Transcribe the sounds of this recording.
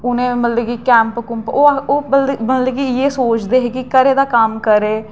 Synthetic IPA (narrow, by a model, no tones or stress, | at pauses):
ʊnẽːməlleːɡiːkɛ̃ːmpkʊmpoːoːəlməlleːɡiːeːsoːt͡ʃd̪eːɦeːkikəɾeːd̪aːkəmkəɾeː